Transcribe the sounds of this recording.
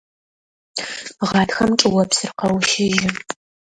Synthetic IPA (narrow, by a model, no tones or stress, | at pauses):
ʁɑːtxɐmʈ͡ʂʼɨwɐpsɨrqɐwʃɪʒɪ